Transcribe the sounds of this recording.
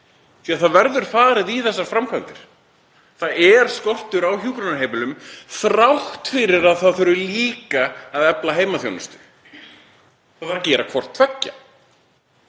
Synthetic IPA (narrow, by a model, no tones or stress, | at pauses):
θiaθaðvɛɾðʏɾ̥faːðɾɪðiθɛs̬ːaɾ̥fɾamkʰant̪ɪɾ̥ | θaðɛɾ̥skɔr̥t̪ʏɾawçuːkɾɔnaejmɪlʏmθɾawht̪fɪɾɪɾaðθaðθœɾʏliːkaːðɛplaɦeːjmaθjo̰wnʏst̪ʏ̥ | θaθaɾcɛːɾakʰvɔr̥t̪ʰvɛcːa̰